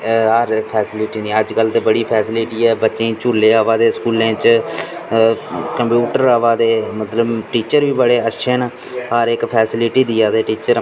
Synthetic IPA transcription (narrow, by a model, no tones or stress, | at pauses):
ɦəɾpʰɛːsɪlɪʈiːnĩːəd͡ʒkəlt̪eːbəɽiːpʰɛːsɪlɪʈiːɛːbəːt͡ʃẽːt͡ʃuːlːeːaːʋaːd̪eːskuːlẽːt͡ʃ | kəmpjuːʈəɾaːʋaːd̪eːmət̪ləbʈiːt͡ʃəɾʋiːbəɽeːətːʃʰen | ɦəɾɪkpʰɛːsɪlɪʈiːd̪iːaːd̪eːʈiːt͡ʃəɾ